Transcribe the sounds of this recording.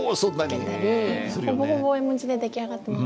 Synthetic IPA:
sonːãneeoboɦoboimɯ̃t͡ɕid̪e̞d̪e̞kʲiaɡat̪ːem

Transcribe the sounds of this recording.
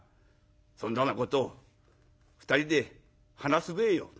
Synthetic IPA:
sond̪anːako̞t̪oː | ɸɯ̥t̪aɾʲid̪e̞ | hanasɨbeːjo̰

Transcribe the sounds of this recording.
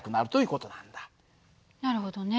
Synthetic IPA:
kɯ̟naɾɯ̟t̪o̞ji̟ːko̞t̪o̞nand̪ḁ | naɾɯ̟ɦod̪one

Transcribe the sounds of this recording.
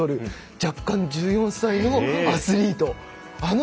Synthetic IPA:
oɾɯ̟ | d͡ʑakːãɲ̟d͡ʑɨːjõ̞ñsainoasɨɾʲiːt̪o̞ | an

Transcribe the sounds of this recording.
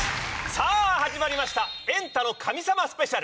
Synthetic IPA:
saːhaʑimaɾʲimaɕi̥t̪aẽ̞nt̪ano̞kʰamʲisamasɨ̥pe̞ɕaɾ

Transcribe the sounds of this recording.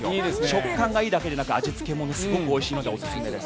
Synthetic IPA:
id̪eɕo̞kːãŋɡaiːd̪ake̞d̪e̞nakɯat͡ɕit͡sɨ̥ke̞mo̞nsɨɡokɯ̟o̞iɕiːmod̪eosɨ̥sɨmed̪e

